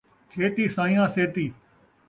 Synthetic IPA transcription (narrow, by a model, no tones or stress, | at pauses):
kʰeːt̪iːsãːĩjãːseːt̪iː